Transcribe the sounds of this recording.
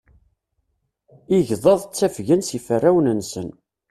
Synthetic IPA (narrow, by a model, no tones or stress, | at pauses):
iʝðˤɑðˤt͡sːæfʝənsifərːæwnənsən